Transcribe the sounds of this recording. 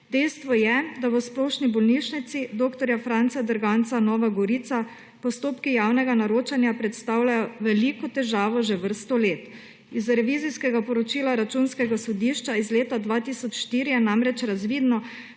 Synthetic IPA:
d̪ɛjst̪ʋɔjɛd̪aʋəsploːʃnibɔlniʃnit̪sid̪oːkt̪ɔɾjafɾant̪sad̪əɾɡant̪sanɔːʋaɡɔɾiːt̪sa | pɔst̪oːpkijaːwnɛɡanaɾoːt͡ʃanjapɾɛt̪st̪aːwlajɔʋɛlikɔt̪ɛʒaːʋɔʒɛʋəɾst̪ɔleːt̪ | izɾɛʋiːziskɛɡapɔɾɔt͡ʃiːlaɾat͡ʃuːnskɛɡasɔd̪iːʃt͡ʃaizleːt̪ad̪ʋat̪iːsɔt͡ʃʃt̪iːɾijɛnamɾɛt͡ʃɾazʋiːd̪nɔ

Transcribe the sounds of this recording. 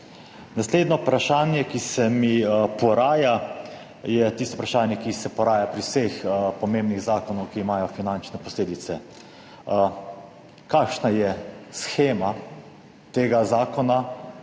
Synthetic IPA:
nasleːd̪nɔpɾaʃaːnjɛkisɛmipɔɾaːja | jɛt̪ist̪ɔupɾaʃaːnjɛkisɛpɔɾaːjapɾiwsexpɔmeːmbniɣzaːkɔnɔwkiːmaːjɔfinant͡ʃnɛpɔsleːd̪it̪sɛ | kaːkʃnajɛsxeːma | t̪eːɡazaːkɔna

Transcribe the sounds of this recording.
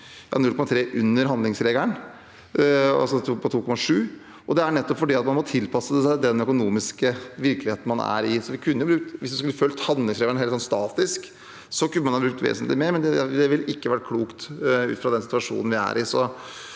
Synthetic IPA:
jɑ̰ːnʉlkʰɔmɑt̪ʰɾeːʔʉnːəɾɦɑnd̪ɪŋsɾeːɡ̪æɳ | ɑ̰sɔpʰɔt̪ʰuːkʰɔmɑʂʉː | ʔɔd̪ɛæɳɛt̪ːɔpfɔɖiːɑt̪mɑnmɔt̪ʰɪlpʰɑsːəsæɪd̪ɛnœkʊnuːmɪskəʋɪɾkəlɪheːt̪n̩mɑnæ̰ɾɪsɔʋɪkʰʉnːjʊbɾʉːk̚t̪ʋɪsd̪ɪskʉlːəfœlt̪hɑnd̪lɪŋsɾeːɡəɳɦeːlsɔnst̪ɑːt̪ɪsk | sɔkʉnːmɑnhɑbɾʉk̚t̪ʋḛːsənt̪lɪmeːɾmɛnd̪ɛd̪ɛʋɪlːɪkːəʋæʈ̚kʰluːkt̪ʉ̰t̪fɾɑd̪ɛnsɪt̪ʋɑʂṵːnn̩ʋɪæ̰ɾɪsɔ

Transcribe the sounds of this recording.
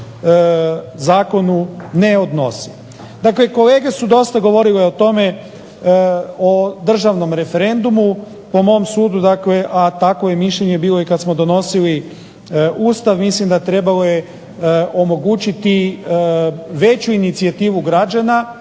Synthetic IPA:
zaːko̞nune̞o̞d̪nosi̥ | d̪akle̞ko̞le̞ːɡe̞sud̪o̞st̪aɡo̞ʋo̞ɾileot̪o̞me̞ | od̪r̩ʒaʋno̞mɾe̞fe̞ɾe̞nd̪umu | po̞mo̞msuːd̪ud̪akle̞ʔat̪ako̞je̞miʃʎe̞ɲe̞biːlojekad̪smo̞d̪o̞no̞sili | uːst̪aʋmislimd̪at̪ɾe̞balo̞je | ʔo̞mo̞ɡut͡ɕit̪i | ʋe̞t͡ɕuinit̪siat̪iːʋuɡɾad͡ʑana

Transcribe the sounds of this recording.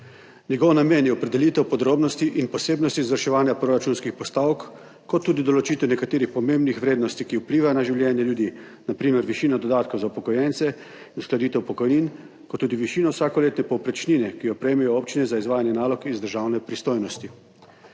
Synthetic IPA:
nʲɛɡɔːwnameːnjɛɔpɾɛd̪ɛliːt̪ɛwpɔd̪ɾoːbnɔst̪iʔinpɔseːbnɔst̪izʋəɾʃɛʋaːnjapɾoɾat͡ʃunskixpɔst̪aːwkː | ɔt̪ːuːd̪id̪ɔlɔt͡ʃiːt̪ɛwnɛkat̪eːɾixpɔmẽmbnixʋɾeːd̪nɔst̪ikiupliːʋajɔnaʒiwljɛːnjɛljud̪iː | napɾiːmɛɾʋiʃiːnad̪ɔd̪aːt̪kɔwzaupɔkɔjɛnt̪sɛ | inusklad̪iːt̪ɛwpɔkɔjniːn | kɔt̪ːuːd̪iʋiʃiːnɔwsaːkɔleːt̪nɛpɔwpɾɛt͡ʃninɛkiɔpɾɛjmɛjɔoːpt͡ʃinɛzaizʋaːjanjɛnaːlɔkizd̪əɾʒaːwnɛpɾist̪oːjnɔst̪i

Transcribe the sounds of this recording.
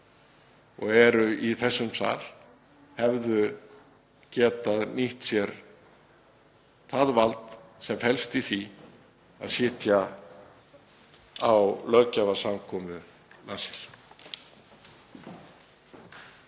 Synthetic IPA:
ɔ̰ɣɛɾʏiθɛsːʏmsa̰ːɾ̥ | hɛvðʏ | cɛːt̪aðniht̪sjɛɾ | θaðvalt̪sɛmfɛlst̪iθi | a̰ðsɪːt̪ja | awlœcavasamkʰɔːmʏ | nasɪ̥l̥

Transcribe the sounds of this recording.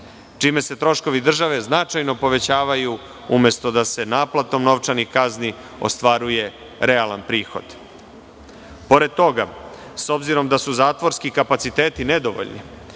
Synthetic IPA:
t͡ʂiːme̞se̞t̪ɾo̞ʃko̞ʋid̪r̩ʒaʋe̞znat͡ʂajno̞po̞ʋe̞t͡ɕaːʋaju | umje̞st̪o̞d̪ase̞naːplˠat̪o̞mno̞ʋt͡ʃanixkazni | o̰st̪ʋaɾuje̞ | ɾealanpɾiːxo̞̰d̪̥ | po̞ɾed̪̚t̪o̞ɡa | so̞bziɾo̞md̪asuzaːt̪ʋo̞ɾskikapat̪sit̪e̞ːt̪ine̞d̪oʋo̰ʎnḭ

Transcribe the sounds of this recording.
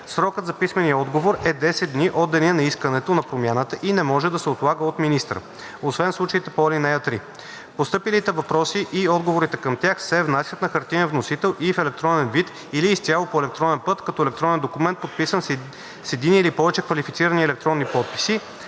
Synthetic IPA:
sɾɔkət̪zɐpismɛnijəɔd̪ɡovoɾɛd̪ɛsɛt̪d̪niʔɔd̪ːɛniɛnɐiskənɛt̪onɐpɾomʲjanət̪əʔinɛmɔʒɛd̪ɐsɛot̪lˠaɡəot̪minist̪ɾə̰ | osvɛnslˠut͡ʃəit̪ɛpɔlinɛjət̪ɾi | post̪ɤpilit̪ɛvɐpɾɔsiʔiɔd̪ɡovoɾit̪ɛkəmt̪ʲjaxsɛvnasʲjət̪nɐxɐɾt̪inəvnosit̪ɛlˠʔifɛlɛk̚t̪ɾɔnɛnvit̪ | iliːst̪ʲjalˠopoɛlɛk̚t̪ɾɔnɛnpɤt̪kɐt̪ɔɛlɛkt̪ɾɔnɛnd̪okumɛnt̪̚pot̪̚pisən | sɛd̪inilipɔvɛt͡ʃɛkvɐlifit̪siɾəniɛlɛk̚t̪ɾɔnːipɔt̪̚pi̥si

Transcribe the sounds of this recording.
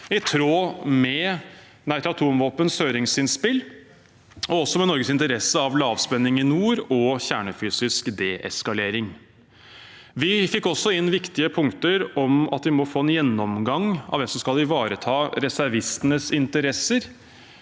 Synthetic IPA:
ɪt̪ʰɾoːmɛ | næɪt̪ɾɑt̪ʰuːmʋoːpənshøːɾɪŋsɪnspɪl | ɔɔsɔmɛnɔɾɡəsɪnt̪əɾɛsːəɑʋlɑːʋspɛnːɪŋɪnuːɾɔçæːɳəfyːsɪskd̪eːʔɛskɑleːɾɪŋ | ʋɪfɪkːɔsːɔɪnːʋɪkt̪ɪəpʰʊŋkt̪əɾɔmɑ̰t̪ʋɪmɔfoːɛnjɛnːɔmɡɑŋːɑ̰ʋɛmsɔmskɑlɪʋɑːɾət̪ʰɑːɾɛsæɾʋɪst̪ənəsɪnt̪əɾɛsəɾ

